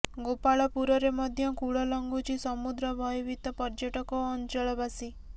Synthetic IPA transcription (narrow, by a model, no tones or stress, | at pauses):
ɡopaɭɔpuɾɔɾemɔd̪ʱjɔkuɭɔlɔŋɡut͡ʃʰisɔmud̪ɾɔbʱɔjɔbit̪ɔpɔɾd͡ʒɔʈɔkɔːnt͡ʃɔɭɔbasi